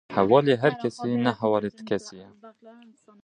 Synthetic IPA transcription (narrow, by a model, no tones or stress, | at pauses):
hɛwɑːleɦæɾkʰɛsinɛhɛwɑːled̪ɨ̥kʰɛsijɛ